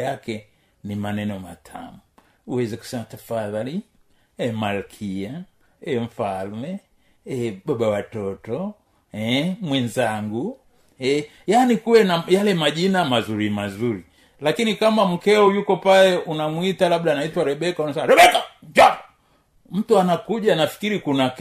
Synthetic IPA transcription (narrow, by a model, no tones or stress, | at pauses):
jakɛ | nimanɛnɔma̰tʰa̰mu | uwɛzɛku̥sɛmatafaðali | ɛmalkʰia | ɛm̩falmɛ | ɓaɓawatɔtɔ | ɛmwɛnzaŋɡu | ɛ | janikuwɛnajalɛmaʄinamazuɾimazuɾi | lakinikamam̩kɛɔjukɔpalɛunamwitalaɓɗanaitwaɾɛɓɛkaunasɛmaɾɛɓɛka | d͡ʒapɔ | m̩tuanakuʄanafi̥kiɾikunak